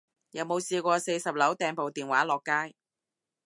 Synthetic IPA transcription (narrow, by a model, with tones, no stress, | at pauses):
jɐ˨˥wmo˨˧wsiː˧kʷɔː˧se˧jsɐ˨p̚lɐ˨˥wt̪ɛː˧ŋpo˨wt̪iː˨˩nwaː˨˥lɔː˨kːaː˥j